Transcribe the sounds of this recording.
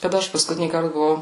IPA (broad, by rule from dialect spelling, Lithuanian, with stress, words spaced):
kɐˈdɐ ˈɐʃ pɐskʊˈtʲɪnʲiːkɐrt bʊˈʋɐʊ